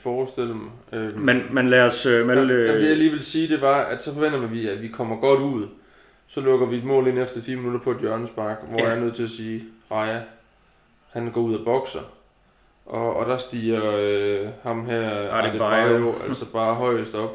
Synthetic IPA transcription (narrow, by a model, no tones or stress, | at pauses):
fɒːsd̥e̝l̰əmɑ | ømenmænlæːsmed̥e̝jaliːʋe̝lsiːd̥e̝ʋɑ̈æd̥sɒ̽fɒ̽ʋen̰dɐmænʋiæʋikʰɒ̽m̰ɐɡ̥ɒ̽ɾ̥uð̰ˠ | sɒ̽lɔɡ̥ɐʋie̝d̥mɔ̰ːle̝nefd̥ɐfiːɐminuɾ̥ɐpʰɒ̽ed̥jɶɐnəsb̥ɑ̈ɡ̥ʋɒjæɐnøð̞̰ˠt͡sʰe̝læsiːʁɑ̈ɪæ | hænɡ̥ɒ̰ːuðˠæb̥ɒ̽ɡ̥sɐ | ʔɒ̽ːd̥ɑ̈sd̥ḭːɐøhɑ̈mɦæɐ̰d̥eɑjoʔælsɒb̥ɑ̈ːɦɒ̽ɪ̰əsd̥ɒ̽b̥